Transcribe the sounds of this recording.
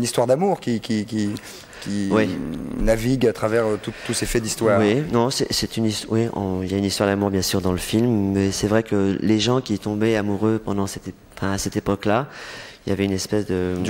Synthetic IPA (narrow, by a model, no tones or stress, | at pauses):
ynist̪waʁd̪amuʁkʲikʲikʲi | kʲiwinaviɡat̪χavɛʁt̪ut̪ːusefɛd̪ist̪waːʁwinɔ̃sɛsɛt̪yniswiɔ̰̃iljaynist̪waʁd̪amuʁbjɛ̃syʁd̪ɑ̃ləfilmːɛsɛvʁɛkəleʒɑ̃kʲit̪ɔ̃bɛamuʁøpɑ̃d̪ɑ̃sɛt̪ | fɛ̃asɛt̪epɔklailjavɛynɛspɛsd̪ə